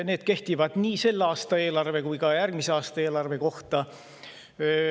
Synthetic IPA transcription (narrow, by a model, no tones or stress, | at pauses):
ne̞ːd̪̥ke̞ht̪ivɑd̪̥niːse̞lːɑːst̪ɑe̞ːlɑrve̞kujkɑjærɡ̥miseɑːst̪ɑe̞ːlɑrve̞ko̞ht̪ɑ